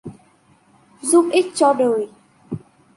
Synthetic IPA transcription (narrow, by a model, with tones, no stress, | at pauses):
zu˧˥p̚ʔi˦˥k̚t͡ɕɔ˧ɗəː˨˩j